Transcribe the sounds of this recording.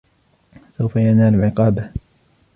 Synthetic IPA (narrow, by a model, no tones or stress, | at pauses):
sawfajanaːlʕɪqɑːba